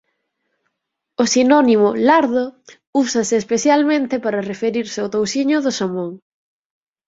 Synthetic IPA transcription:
ʊsinɔnimʊlaɾðʊ | usɐsɪːspeθjalmẽnt̪ɪpaɾɐrefeɾiɾsɪawt̪owsiɲʊðʊsamoŋ

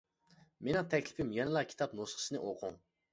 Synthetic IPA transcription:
menɪŋt̪ʰɛkʲlɪpʰɪmjɑnɨlˠɑkʲʰi̥t̪ʰɑpnosχʰə̥sɨnɨʔoqʰʊŋ

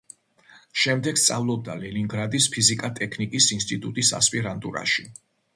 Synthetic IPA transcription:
ʃɛmd̪ɛɡ̥st̪sʼa̰vlˠɔb̚d̪alɛliŋɡɾad̪ispʰizikʼat̪ʼɛkʰnikʼisinst̪ʼit̪ʼut̪ʼisa̰spʼiɾant̪ʼṵɾa̰ʃi

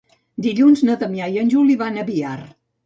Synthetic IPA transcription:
d̪iʎunznəðəmjajənʲʒuliβanəβiar

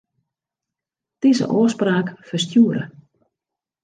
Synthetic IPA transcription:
d̥izə̰ʔoəspraːkfəstjuəɾə̰

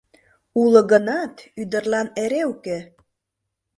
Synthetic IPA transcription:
ulə̆ɣənɑt̪yd̪ə̆rlɑneɾeuke

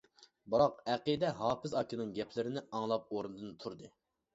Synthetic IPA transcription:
bɨɾɑqɛqid̪ɛɦɑːpɪzɑkʰʲinɨŋɡʲɛpʰlɪɾɪnɪɑŋlˠɑp̚oɾɨnɨd̪ɨnt̪ʰuɾd̪ɨ

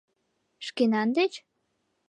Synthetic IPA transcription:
ʃkenɑnd̪et͡ɕ

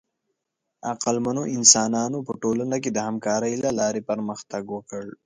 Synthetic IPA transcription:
aqəlmanoʔɪnsɑːnɑːnopəʈolanaked̪əhamkɑːɾəjlalɑːɾepəɾməxt̪aɡwəkəɭ

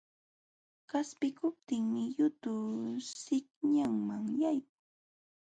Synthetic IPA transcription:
kaspɪkʊp̚t̪ɪŋmɪjʊt̪ʊsɪkɲaŋmaŋjajkʊ

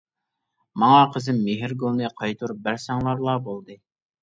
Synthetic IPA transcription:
mɑŋɑqʰəzɪmːeɦɪɾɡolˠnɨqʰɑjt̪ʰuɾbæɾsɑŋlˠɑɾlˠɑːbolˠd̪ɨ

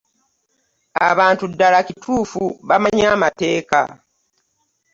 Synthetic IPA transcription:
a̰βaːntudːalacitʰuːfuβamaɲaːmate̞ːka̰

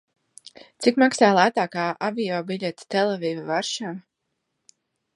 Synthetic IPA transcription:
t̪sikmaksaːlˠæt̪aːkaːʔavijɔːbiʎʲet̪t̪ɛlˠɛviːvavaɾʃaː

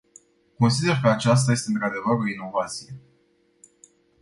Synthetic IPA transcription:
ko̞nsid̪e̞rkəat͡ʃas̬t̪aje̞s̬t̪eɨnt̪ɾad̪e̞vəɾo̞ino̞vat̪sije̞

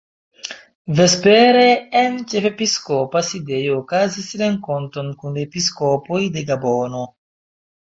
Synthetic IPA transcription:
ve̞speɾeːnt͡ʃe̞fe̞piskopaside̞joːkazisɾe̞ŋko̞ntonkunepiskopo̞jde̞ɡabono̞

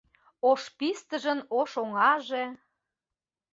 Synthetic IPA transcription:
oʃpist̪əʒə̆noʃoŋɑʒe

